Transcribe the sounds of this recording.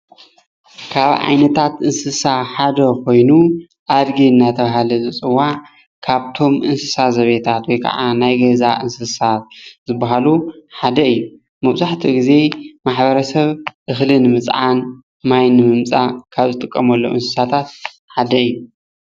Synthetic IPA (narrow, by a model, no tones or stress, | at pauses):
kʰaβʕa̰jnɐt̪ʰat̪ʔɨnsɨsaħad̪ɐkʰo̞jnu | ʔad̪ɡiɨnːat̪ʰɐβaɦalɨzɨt͡sʼɨwːaʕ | kʰaβt̪ʰo̞mʔɨnsɨ̥sazɐβet̪ʰat̪wɔjkʰa̰ʕanajɡɐzaʔɨnsɨsat̪̚zɨbːaɦaluħad̪ɐɨjːu | mɐβzaħt̪ʰiɡize̞maħbɐɾɐsɐβʔɨxlɨnɨmɨt͡sʼʕan | majnːɨmɨmt͡sʼakʰaβzɨt̪ʼɨkʼːɐmɐlːo̰ʔɨnsɨ̥sat̪ʰat̪̚ | ħad̪ɐɨjːu